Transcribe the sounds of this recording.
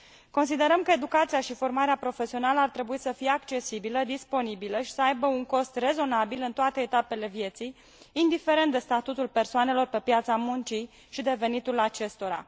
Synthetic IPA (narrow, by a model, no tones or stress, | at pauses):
ko̞nsid̪e̞ɾəmkəed̪ukat̪siaʃifo̞rmaɾeapɾo̞fe̞sio̞naləart̪ɾe̞buisəfijeakt͡ʃe̞sibiləd̪ispo̞nibiləʃi̥səajbəuŋko̞st̪re̞zo̞nabilɨnt̪oat̪e̞ːt̪ape̞le̞vje̞t̪sijː | nd̪ife̞ɾent̪d̪e̞st̪at̪ut̪ulpe̞rsoane̞lo̞rpe̞pjat̪samunt͡ʃi | ʃid̪e̞ve̞nit̪ulat͡ʃe̞st̪o̞ɾa̰